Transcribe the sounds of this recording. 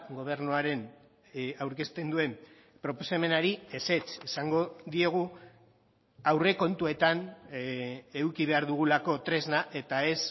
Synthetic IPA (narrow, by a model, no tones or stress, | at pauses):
ɡo̞β̞e̞ɾnuaɾe̞n | awɾke̞st̪e̞nd̪ue̞m | pɾo̞posame̞naɾie̞se̞t͡sesaŋɡo̞ðie̞ɣ̞u | awre̞ko̞nt̪ue̞t̪an | e̞ukiβ̞e̞aɾðuɣ̞ulako̞t̪ɾe̞znaʔe̞t̪ae̞s